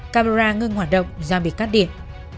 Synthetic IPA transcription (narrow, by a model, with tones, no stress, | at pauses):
kaː˧ma˧zaː˧ŋɨ˧ŋhwaː˧˩t̚ɗə̰˧˨wŋ͡mzaː˧˩mɓi˨˩ət̚kaː˦˥t̚ɗḭ˧˨ən